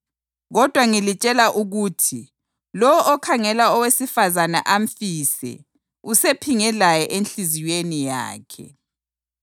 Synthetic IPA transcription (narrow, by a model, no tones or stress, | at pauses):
ɣɔd̥ʱwaŋilit͡ʃʼɛlaʔuɣutʰi | lɔɔʔɔkʰaŋɛlaɔwesifazana̰ʔam̩fiːsɛ̰ | usepʰiŋɛlajɛʔenɬiziwenija̰ːkʰɛ̰